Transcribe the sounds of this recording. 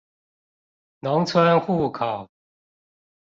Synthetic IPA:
nɔ˧˥ŋt͡sʰwə˥nxu˥˩kʰɑ˨˩ʊ

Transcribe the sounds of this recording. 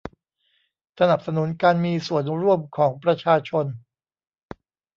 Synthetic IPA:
sa˧na˨˩p̚sa˧nu˩˦nkaː˧nmiː˧su˨˩ənɾu˥˩əmkʰɔː˩˦ŋpɾa˧t͡ɕʰaː˧t͡ɕʰo˧n

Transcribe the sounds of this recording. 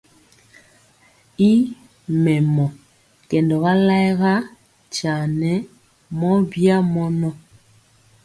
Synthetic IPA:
i˦ | mɛ˨mɔ˨ | kɛ˨ndɔ˨ɣa˦la˦jɣa˦ | t͡ʃa˨nɛ˦ | mɔ˦bja˦mɔ˦nɔ˦

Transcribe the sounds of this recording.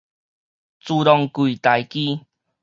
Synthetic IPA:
t͡su˧ɾɔ˧ŋkwi˨t̪a˨˦jki˦

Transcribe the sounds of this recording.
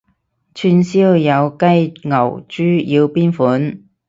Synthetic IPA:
t͡ʃʰyː˧nsiː˥wjɐ˨˧wkɐ˥jŋɐ̰˨˩wt͡ʃyː˥jiː˧wpiː˥nfuː˨˥n

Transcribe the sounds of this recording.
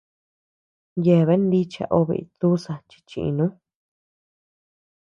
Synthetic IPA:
je˧˨βe˦nd̪i˦t͡ʃa̰˧ʔo˧βḛ˧ḭ˧t̪u˦sa˧t͡ʃi̥˧t͡ʃĩ˧ʔḭ̃˧nũ˦

